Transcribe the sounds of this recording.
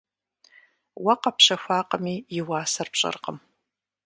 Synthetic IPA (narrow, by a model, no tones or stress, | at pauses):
wɐqɐpʃɐxʷaːqʼəmiːjɪwaːsɐrpɕʼɐ̰rqʼə̰m